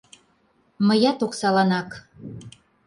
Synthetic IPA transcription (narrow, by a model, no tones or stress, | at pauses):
məjɑt̪oksɑlɑnɑk